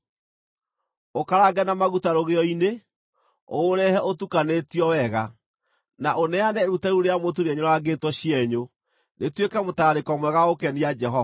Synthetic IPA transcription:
okaɾaɡɛnamaɣutaɾoɣeɔine | oːɾɛhɛʔotukanetiɔwɛɣa | naʔonɛanɛɾutɛɾuɾeamotuɾɛɲoɾaɡetwɔɕiɛɲo | netwekɛmotaːɾekɔmwɛɣaokɛniad͡ʒɛɦɔa

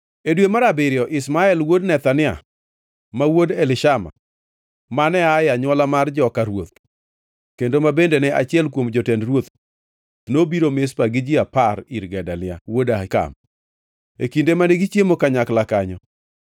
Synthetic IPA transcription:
edwemaɾabɪɾjɔʔɪsmaɛlwodnɛt̪anɪa̰ | mawodɛlɪʃama̰ | manɛajaɲwɔlamard͡ʒɔkaɾwot̪̚ | kendomabendenɛʔat͡ʃɪɛlk̬womd͡ʒɔtɛndɾwot̪ | nobiɾomespaɡɪd͡ʒɪapaɾiɾɡɛdalɪa̰wodahɪka̰m | ekindemaneɡit͡ʃjemokaɲaklakaɲɔ

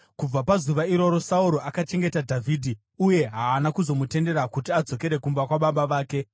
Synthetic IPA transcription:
kub͡vapazuʋaiɾo̞ɾo̞sauɾo̞akat͡ʃe̞ŋɡe̞tadʱavʱiːdʱi | uje̞ɦaːnakuzo̞mute̞nde̞ɾakutiad͡zo̞ke̞ɾe̞kumbakwaɓaɓaʋaːke̞

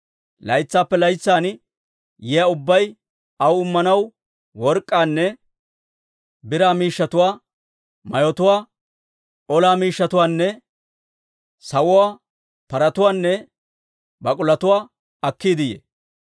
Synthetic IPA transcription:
lɐ̰jt͡sːaːpːɛlɐjt͡sːaːn | jɛjɐʊbːɐj | ɐwʊmːɐnɐw | wɔɾkʼːaːnːɛ | bɪɾaːmiːʃːɐt̪ʊwaː | mɐjɔt̪ʊwaː | ɔlaːmiːʃːɐt̪ʊwaːnːɛ | sɐwʊwaː | pɐɾɐt̪ʊwaːnːɛ | bɐkʼʊlɐt̪ʊwaː | ɐkːiːd̪ɪjḛ

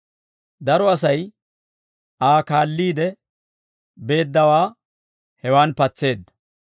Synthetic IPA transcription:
d̪ɐɾɔɐs̬ɐj | aːkaːlːiːd̪ɛ | be̞ːd̪ːɐwaː | hɛwaːnpɐt͡sːe̞ːd̪ːɐ̥

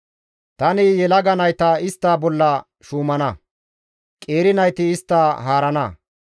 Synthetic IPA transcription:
t̪ɐnɪjɛlɐɡɐnɐjt̪ɐɪst̪ːaːbɔlːɐ | ʃuːmɐnɐ | kʼe̞ːɾɪnɐjt̪ɪːst̪ːaːɦaːɾɐnɐ̰

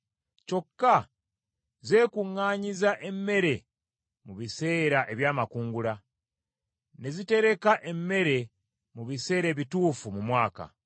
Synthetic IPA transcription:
co̞kːa | ze̞ːkuŋːaːɲizaʔe̞mːe̞ɾe̞ | muβise̞ːɾaʔe̞βjaːmakuːŋɡula | ne̞zite̞ɾe̞kaʔe̞mːe̞ɾe̞ | muβise̞ːɾe̞ːβituːfumumwaːka̰

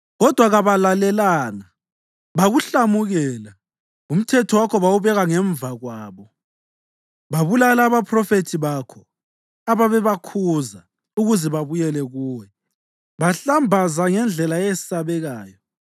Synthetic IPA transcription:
ɣɔd̥ʱwaɣaβalalɛlaːna | βaɣuɬamuɣɛːla | um̩tʰɛtʰɔwakʰɔβawuβɛɣaŋɛɱvaɣwaːβɔ | βaβulalaːβapʰrɔfetʰiβakʰɔ | aβaβɛβakʰuza | uɣuzɛβaβujɛlɛɣuːwɛ | βaɬambʱazaŋɛnd͡ɮʱɛlajesisaβɛɣaːjɔ

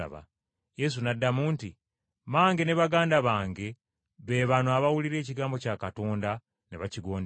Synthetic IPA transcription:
βa̰ | je̞s̬unadːamuːnti | maːŋɡe̞ne̞βaɡaːndaβaːŋɡe̞ | βe̞ːβanoaβawuliɾe̞ːciɡaːmbo̞caːkato̞ːnda | neβaciɡo̞ːnd

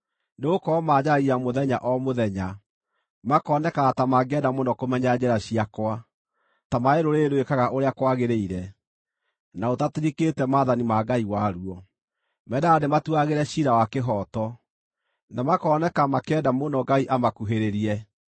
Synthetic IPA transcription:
neɣokɔːmad͡ʑaijamoðɛɲaʔɔmoðɛɲa | makɔːnɛkaːtamaɡɛdamonɔkomɛɲad͡ʑɛɾaɕiakwa | tamaeɾoɾeːɾwekaɣaʔoɾeakwaɣeɾeiɾɛ | naotateɾikeːtɛmaːðanimaɡaiwaɾuɔ | mɛdaːdematuaɣeɾɛɕiɾawakeɦɔtɔ | namakɔːnɛkamakɛːdamonɔɡaiʔamakuɦeɾeɾiɛ

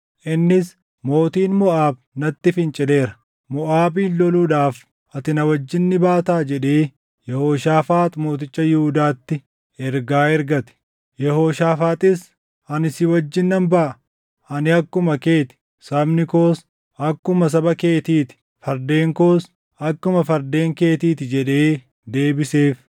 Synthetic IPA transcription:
ʔɪnːɪs | mo̞ːt̪iːnmʊʔaːb | nɐt̪ːɪfɪnt͡ʃʼɪle̞ːɾɐ | mʊʔaːbiːnlɔluːᶑaːf | ʔɐt̪ɪnɐwɐd͡ʒːɪnːɪbaːt̪aːd͡ʒɛᶑeː | jɛhoːʃaːfaːt̪mo̞ːt̪ɪt͡ʃʼːɐjɪhʊd̪aːt̪ːɪ | ɛɾɡaːɛɾɡɐt̪ɪ̥ | jɛhoːʃaːfaːt̪ʼɪs | ɐnɪsɪwɐd͡ʒːɪnːɐmbɐʔɐ | ɐnɪɐkːʊmɐke̞ːt̪ɪ̥ | sɐbnɪko̞ːs | ɐkːʊmɐs̬ɐbɐke̞ːt̪iːt̪ɪ̥ | fɐɾd̪e̞ːŋko̞ːs | ɐkːʊmɐfɐɾd̪e̞ːŋke̞ːt̪iːt̪ɪd͡ʒɛᶑeː | d̪e̞ːbɪseːf

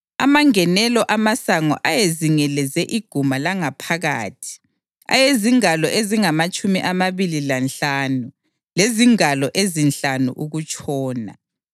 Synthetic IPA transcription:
a̰maŋɛnɛlɔʔamasaŋɔ̰ʔajeziŋɛlɛzɛʔiɡ̥ʱumalaŋapʰaɣa̰ːtʰi̥ | a̰jeziŋalɔʔeziŋamat͡ʃʼumiʔamaβililanɬaːnu | leziŋalɔʔezinɬanṵʔuɣut͡ʃʼɔːna̰

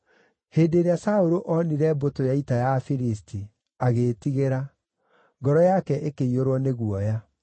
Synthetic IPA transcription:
heːdeːɾeasaoɾoʔɔniɾɛbotojaitajafiɾistʰi | aɣetiɣeɾa | ŋɡɔɾɔjakɛʔekeioɾwɔneɣuɔja

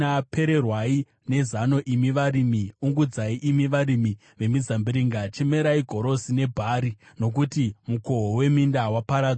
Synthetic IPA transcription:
ape̞ɾe̞rwai | ne̞zano̞ʔimiʋaɾimiuŋɡud͡zaiʔimiʋaɾimi | ʋe̞mid͡zambiɾiŋɡat͡ʃe̞me̞ɾaiɡʱo̞ɾo̞sine̞bʱaːɾino̞k̬utimuko̞we̞mindawapaɾa

